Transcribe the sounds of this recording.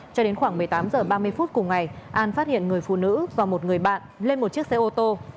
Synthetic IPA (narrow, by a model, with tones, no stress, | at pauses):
t͡ɕɔ˧ɗe˨˦nxwaː˧˩ŋmɨ˨˩əjt̪aː˨˦mzəː˨˩ɓaː˧m˧əjfu˦˥t̚kʊ˨˩ŋ͡mŋa˨˩jʔaː˧nfaː˦˥t̚hḭ˧˨ənŋɨ˨˩əjfṵ˧˨nɨ̰˧˥vaː˨˩mo˨˩t̚ŋɨ˨˩əjɓa̰ː˧˨nle˧nmo˨˩t̚t͡ɕi˦˥ək̚se˨˦ʔo˧t̪o˧